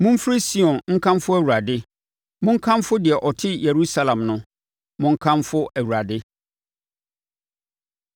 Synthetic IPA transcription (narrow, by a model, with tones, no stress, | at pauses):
mʊ̃˦m˦fɾɪ˦si˦ɔ̃˨nŋ̩˦kʰã˦mfʊ˦æ˨wu˨ɾa˨dɪ˦ | mʊ̃˦ŋ̩˦kʰã˦mfʊ˦dɪ˨ɛ˨ʔɔ˨tʰɪ˦je˨ɾu˦sa˦lã˨mnʊ̃˦ | mʊ̃˦ŋ̩˦kʰã˦mfʊ˦ʔæ˨wu˨ɾa˨dɪ˦